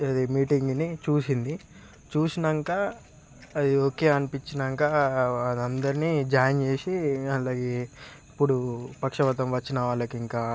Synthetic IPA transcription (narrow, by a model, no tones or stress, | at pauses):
ɐd̪imiːʈiŋɡnit͡ʃuːsind̪i | t͡ʃuːsinɐŋkaː | ɐd̪ioːke̞ːɐnipit͡ʃːinɐŋkaːɐd̪ɐnd̪ɐɾiniːd͡ʒaːjɐnt͡ʃeːsiɐlaːɡeːipːuɽupɐkʂɐʋɐt̪ɐmʋɐt͡ʃːinɐʋaːɭːɐkiŋkaː